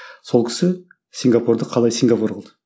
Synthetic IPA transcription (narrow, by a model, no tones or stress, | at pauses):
so̞lˠkʲʰɪ̥sɪ | siŋɡapuɾd̪əqʰɑlˠɑjsiŋɡapuɾqʰəlˠd̪ə